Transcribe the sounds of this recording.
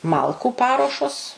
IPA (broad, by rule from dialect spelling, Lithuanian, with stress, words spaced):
ˈmɐlˠkuː ˈpɑːruɔʃoːs